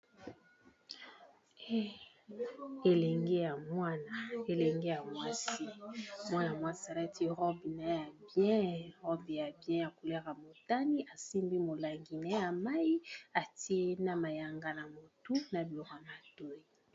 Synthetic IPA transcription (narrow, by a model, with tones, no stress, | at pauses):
e˦ | e˨lɛ˨ŋɡe˦ja˨mwa˦na˨e˨lɛ˨ŋɡe˦ja˨mwa˦si˦mwa˦n˨a˨mwa˦si˦a˨la˦tʰi˦ʁɔ˦bi˨na˨˦ja˨bjɛ̃˦ʁɔ˦bi˨ja˨bjɛ̃˦ja˨ku˨le˦ʁa˨mo˨ta˦ni˦ʔa˨si˦mbi˦mo˨la˨ŋɡi˨na˦ja˨ma˦i˦a˨ti˦e˦na˨ma˨ja˨ŋɡa˦na˨mo˨tu˦na˨bi˨lo˨ʁa˨ma˨to˦i˨